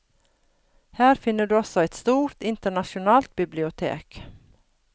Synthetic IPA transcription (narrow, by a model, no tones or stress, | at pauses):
hæːɾfɪnːəɖʉːɔsɔæɪt̪st̪uːɾt̪ɪnt̪əɳɑʃʊnɑːlt̪̚bɪblɪʊt̪ʰḛːk